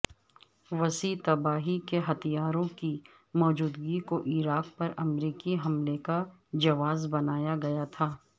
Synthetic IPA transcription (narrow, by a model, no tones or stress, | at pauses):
ʋɐsiːt̪ɐbaːɦikeɦɐt̪ijaːɾõki | mɔːd͡ʒuːd̪ɡikoʔiːɾaːk̚pɐɾɐmɾiːkiɦɐmlekad͡ʒɐʋaːzbɐnaːjaɡɐjat̪ʰaː